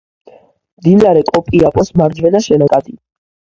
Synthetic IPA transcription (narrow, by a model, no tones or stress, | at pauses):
md̪ilaɾɛkʼɔpʼiapʼɔsmaɾd͡ʒvwɛnaʃɛnɔkʼad̪i